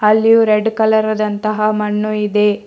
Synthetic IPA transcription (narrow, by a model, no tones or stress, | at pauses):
ɐlːijuɾeɖkɐlɐɾɐd̪ɐnt̪ɐɦɐmɐɳːuid̪e̞